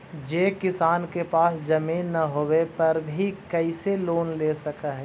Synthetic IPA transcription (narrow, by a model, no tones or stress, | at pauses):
d͡ʒeːkɪsaːnkepaːsd͡ʒɐmiːnːɐɦowepɐɾbʱikɛiseloːnleːsɐkaɦɛ